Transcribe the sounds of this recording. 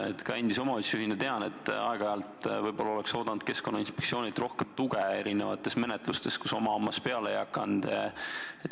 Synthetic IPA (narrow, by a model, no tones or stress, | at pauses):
et̪kɑend̪iso̞mɑot̪ʲsyɦinet̪eɑnet̪ːˑɑ̰eɡ̥ɑeɑlt̪vɤjb̥o̞lːɑole̞kso̞ːd̪ɑnud̪̥̚ke̞sko̞nːɑinspeksio̞ːnʲilt̪ro̞hkemt̪uɡee̞ɾine̞vɑt̪ːˑe̞sme̞net̪lust̪e̞skuso̞mɑomːɑspe̞ɑlejɑkːˑɑnd̪̥ | et̪